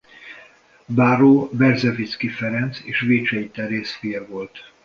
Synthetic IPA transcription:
baːɾoːbɛrzɛvit̪skifɛɾɛnt̪seːʃveːt͡ʃɛit̪ɛɾeːsfijɛvo̞lt̪

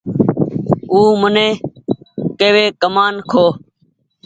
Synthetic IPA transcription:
uːmənẽː | keːʋeːkəmaːnkʰoː

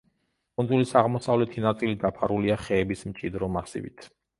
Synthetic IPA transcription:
kʼund̪zulisaʁmɔsavlɛt̪ʰinat̪sʼilid̪apʰaɾuliaχɛːbismt͡ʃʼid̪ɾɔmasḭvḭt̪ʰ

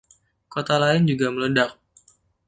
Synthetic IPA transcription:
kot̪alaɪnd͡ʒuɡamələdak̚

